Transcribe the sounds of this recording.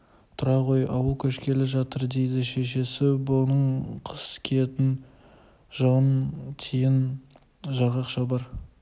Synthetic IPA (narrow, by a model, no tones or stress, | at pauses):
t̪ʰʊɾɑqo̞jɑwəlˠkʲʰɵʃkʲʰe̞lɪʒɑt̪əɾd̪e̞jd̪ɪʃe̞ʃe̞sɪbʊnəɴqʰə̥skʲʰet̪ɪn | ʒəʁənt̪ʲʰejɪn | ʒɑɾʁɑqʃɑbɑɾ